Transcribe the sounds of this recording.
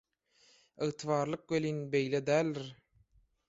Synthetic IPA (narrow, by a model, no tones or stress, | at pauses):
ɯʁt̪ʰɨvɑːɾlˠɯq̚beliːnbejled̪æːlːiɾ